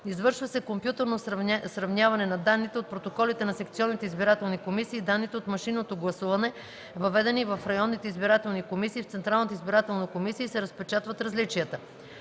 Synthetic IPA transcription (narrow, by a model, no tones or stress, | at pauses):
izvɤɾʃvɐsɛkompjut̪ɛɾnosɾɐvnʲjavɐnɛnɐd̪anːit̪ɛot̪̚pɾot̪okɔlit̪ɛnɐsɛkt̪siɔnːit̪ɛizbiɾat̪ɛlˠnikomisiːd̪anːit̪ɛot̪mɐʃinːot̪oɡlˠɐsuvɐnɛ | vɐvɛd̪ɛnivɐfɾɐjɔnːit̪ɛizbiɾat̪ɛlˠnikomisiːft̪sɛnt̪ɾalˠnət̪əizbiɾat̪ɛlˠnɐkomisijəisɛɾɐspɛt͡ʃat̪vɐt̪ɾɐzlit͡ʃijət̪ə